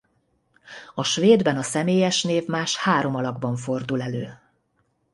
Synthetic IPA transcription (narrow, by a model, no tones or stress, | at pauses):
ɒʃʋeːd̪bɛnɒsɛmeːjɛʃneːvmaːʃhaːɾo̞mɒlɒɡbɒɱfo̞rd̪ulɛløː